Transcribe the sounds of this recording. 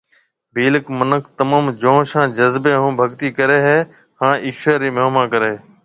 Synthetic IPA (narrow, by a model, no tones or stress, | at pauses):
bʱiːləkmənəkʰt̪əmãːmd͡ʒõːʃãːd͡ʒəzbeːɦũːbʱəɡt̪iːkəɾeːɦeː | hãːʔiːʃaːɾiːməɦmãːkəɾeː